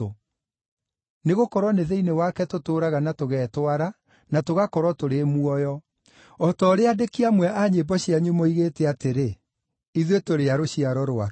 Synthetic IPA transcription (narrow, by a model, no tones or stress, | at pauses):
o | neɣokɔɾwɔneðeinewakɛtotoːɾaɣanatoɣɛːtwaɾa | natoɣakɔɾwɔtoɾemuɔjɔ | ɔtɔɾeadekiamwɛʔaɲebɔɕjaɲumɔiɣetɛateɾe | iðwetoɾeaɾoɕiaɾɔɾoa